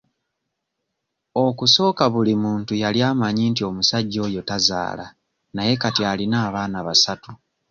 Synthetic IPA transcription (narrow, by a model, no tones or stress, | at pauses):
o̞kuso̞ːkaβulimuːntujaljaːmaɲiːntio̞musaɟːo̞ːjo̞taza̰ːla̰ | naje̞katjaːlinaːβaːnaβasatu